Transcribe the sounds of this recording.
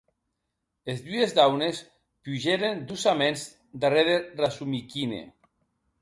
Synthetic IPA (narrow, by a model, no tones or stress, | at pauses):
ezdyezd̪awnes | puʒeɾend̪usamenz | d̪areɾerasumikinḛ